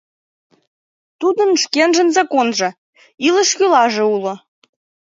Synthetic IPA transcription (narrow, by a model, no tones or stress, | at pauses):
t̪ud̪ə̆nʃkenʒə̆nzɑkonʒɤ̆ | ilə̆ʃkylɑʒĕulŏ